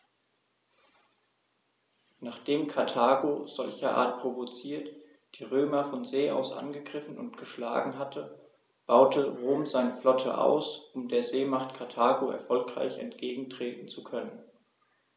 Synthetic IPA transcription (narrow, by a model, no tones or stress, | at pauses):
naːχd̥eːmkʰaɐtʰaːɡoz̥ɔlçɐʔa̰ːɐt̚pʁ̥ovot͡siːɐt | d̥iːʁøːmɐfɔnzeːʔa̰ʊsʔa̰nɡəɡʁɪfn̩ʊntɡ̥əʃla̰ːɡŋ̩ɦatʰə | b̥aʊtʰəʁoːmzaɪnəflɔtʰə̰ʔa̰ʊsʔʊmdeːɐzeːmaχtkʰatʰaːɡoʔɛ̰ɐfɔlkʁ̥a̰ɪçɛ̰ntɡ̥eːɡŋ̩tʁ̥eːtn̩t͡sukʰœnən